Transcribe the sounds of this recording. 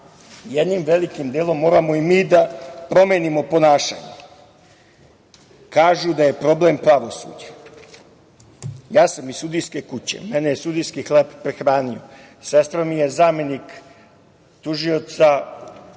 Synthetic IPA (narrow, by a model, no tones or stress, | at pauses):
jed̪nimʋe̞likimd̪eːlo̞mːo̞ːɾamo̞imiːd̪apɾo̞meːnimo̞po̞naːʃa̰ːɲḛ | kaːʒud̪aje̞pɾo̞blempɾaʋo̞sṵːd͡ʑḁ | jaːsamizsud̪ijske̞kut͡ɕe̞̰menejesud̪ijskixleppːɾexɾaːniose̞st̪ɾamije̞zaːme̞nik | t̪uʒijo̞t̪sa